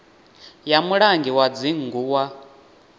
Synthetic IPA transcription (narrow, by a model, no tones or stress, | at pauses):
jamuɺaŋɡiwad͡ziŋ̩ɡuːwa